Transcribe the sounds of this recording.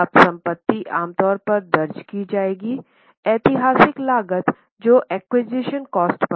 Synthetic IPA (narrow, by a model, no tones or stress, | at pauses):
ɐbsɐ̃mpət̪ːiʔaːmt̪ɔːɾpɐɾd̪ɐɾd͡ʒkid͡ʒaːeːɡi | ɛːt̪ɪɦaːsɪklaːɡət̪ | d͡ʒoːʔɛːkwid͡ʒiʃənkɔːsʈpɐ